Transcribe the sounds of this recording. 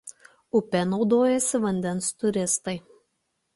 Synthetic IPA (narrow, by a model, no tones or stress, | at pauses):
ʊpʲɛnɒʊd̪oːjɛsʲɪʋɐnʲd̪ʲɛnst̪ʊɾʲɪst̪ɐɪ